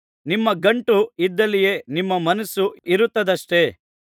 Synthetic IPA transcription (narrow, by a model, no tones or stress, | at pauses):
nimːɐɡɐɳʈuid̪ːɐlije̞nimːɐmɐnɐsuiɾut̪ːɐd̪ɐʂʈe̞ː